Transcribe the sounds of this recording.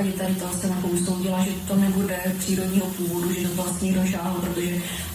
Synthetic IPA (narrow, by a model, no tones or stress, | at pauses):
ɟɪt̪ɛɪt̪ɛlsɛnapouso̞wɟɪlaʒɛt̪o̞nɛbudɛpr̥iːɾo̞dɲiːɦopuːvoduʒɛzvlast̪ɲidoʒaːɦopɾot̪o̞ʒɛ